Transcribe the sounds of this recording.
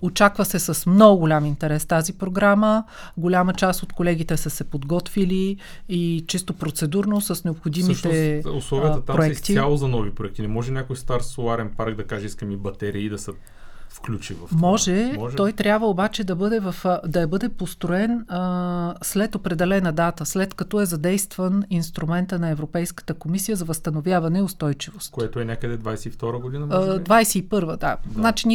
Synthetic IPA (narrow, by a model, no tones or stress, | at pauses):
ot͡ʃakvəsɛsɐsmnɔɡʊɡʊlʲamint̪ɛɾɛst̪azipɾoɡɾamə | ɡolʲamət͡ʃast̪ot̪kolɛɡ̟ʲit̪ɛsəsɛpod̪ɡɔt̪vili | it͡ʃist̪opɾot̪sɛd̪uɾnosəsnɛopxod̪imiʃɛʊslˠɔvijət̪ət̪apoɛɛk̪t̪ialˠozɐnɔvipɾoʊɛk̚t̪inɛmɔʒɛnʲjakojst̪aɾsoaɾɛnpaɾɡd̪ɐkaʒɛiskəmibɐt̪ɛɾiid̪ɐsə | fklʲut͡ʃivɐfmɔʒɛɔjt̪ɾʲjabvəobat͡ʃɛd̪ɐbɤd̪ɛvɐfd̪ɐɛbɤd̪ɛpost̪ɾoɛn | slɛt̪opɾɛd̪ɛlɛnəd̪at̪əslɛt̪kɐt̪ɔɛzɐd̪ɛjst̪vəninst̪ɾumɛnt̪ənɐɛvɾopɛjskə̥t̪əkomisijəzɐvɐst̪ɐnovʲjavɐnɛiʊst̪ɔjt͡ʃivost̪tkoɛt̪ʊɛnʲakəd̪ɛd̪vajsɛift̪ɔɾəɡod̪inəd̪vajsɛipɤɾvəd̪aznat͡ʃini